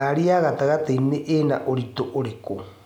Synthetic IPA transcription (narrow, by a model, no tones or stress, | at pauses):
aɾiaɣat̪aɣat̪aineʔena̰ʔoɾit̪oʔoɾeko